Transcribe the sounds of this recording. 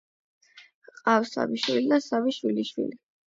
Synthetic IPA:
qʼafsa̰viʃwilid̪asaviʃwiliʃwḭli

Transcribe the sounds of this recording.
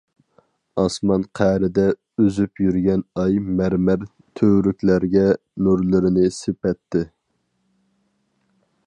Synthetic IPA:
ɑsmɑnqʰæɾɪd̪ɛ | øzypjyɾɡʲɛnɑjmæɾmæɾ | t̪ʰøːɾykʲlæɾɡʲɛ | nuɾlˠɨɾɪnɪsepɛt̪ʰːɪ

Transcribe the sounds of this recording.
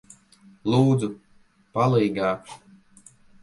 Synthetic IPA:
lˠuːd̪zu | palˠiːɡaːkʃ

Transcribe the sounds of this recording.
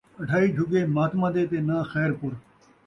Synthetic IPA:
ɐɖʱaːiːd͡ʒʱʊɡeːmaːt̪mãːd̪eːt̪eːnaːxɛːɾpʊɾ

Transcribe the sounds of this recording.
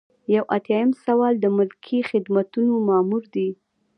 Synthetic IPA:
jawʔat̪jɑjəmsawɑld̪əmʊlkʰixɪd̪mat̪unomɑmuɾd̪i

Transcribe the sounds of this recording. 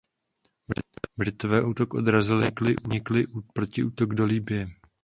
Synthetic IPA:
bɾɪt̪ovɛːʔuːt̪o̞kʔo̞̰d̪ɾazɪlɪklɪʔuɲɪklɪpɾo̞cɪʔuːt̪o̞ɡdo̞liːbɪjɛ

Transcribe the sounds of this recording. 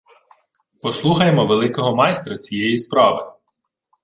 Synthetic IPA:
pɔslˠuxɐjemɔʋelˠɪkɔɦɔmɑjst̪ɾɐt͡sʲijɛjispɾɑʋɪ

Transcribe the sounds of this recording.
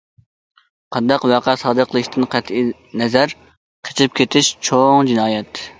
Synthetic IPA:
qʰɑnd̪ɑqwæqʰæsɑːd̪əqʰəlˠɨʃt̪ɨnqʰæt̪ʰi | nɛzæɾ | qʰe̥t͡ʃʰɪp̚kʲʰet̪ʰɪʃt͡ʃʰoŋd͡ʒinɑːjɛt̪

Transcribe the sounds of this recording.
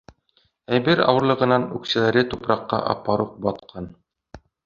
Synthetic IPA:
æjbɘɾɑ̰wɤ̆ɾlˠɤ̆ʁɤ̆nɑnʉksɘ̆læɾɘt̪upɾɑqːɑ̰ʔɑ̰pːɑɾuq̚bɒt̪qʰɑn

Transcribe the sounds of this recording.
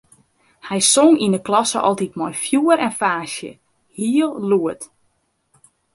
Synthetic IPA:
hɛjsoŋinəklɔsə̰ʔɔ̰lˠtitmɔjfjuəɾɛnfaːsjə̰ | hiəlˠluət

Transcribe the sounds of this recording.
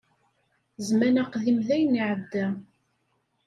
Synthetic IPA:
zmænæqðimðæjniʕəd̪ːæ

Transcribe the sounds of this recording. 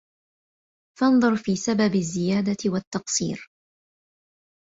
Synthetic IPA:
fɑnðˤʊɾfiːsababɪzːɪjaːd̪awat̪ːɑqsˤḭːɾ

